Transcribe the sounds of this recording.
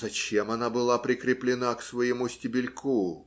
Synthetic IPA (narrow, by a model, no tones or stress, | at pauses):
zɐt͡ɕemɐnabɨlˠapɾʲɪkɾʲɪplʲɪnaksvɐjɪmusʲtʲɪbʲɪlʲkʰu